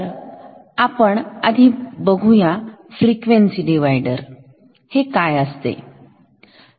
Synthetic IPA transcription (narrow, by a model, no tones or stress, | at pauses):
ɾ | apəɳəd̪ʱiːbəɡʱujafɾikʋeɳsiɖiʋajɖəɾ | hekajəst̪ḛ